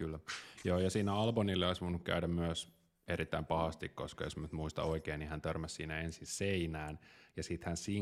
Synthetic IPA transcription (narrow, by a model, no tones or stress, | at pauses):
kylːjoːjɑsiːnæɑlbonilːeɑisʋonːukkæ̰ydæmmyøs | eɾit̪ːæimpɑhɑst̪ikko̰skɑjosmnyt̪muist̪ɑ̰oikeːnihænt̪ørmæssiːnæensinseinæːnjɑsit̪hænsiː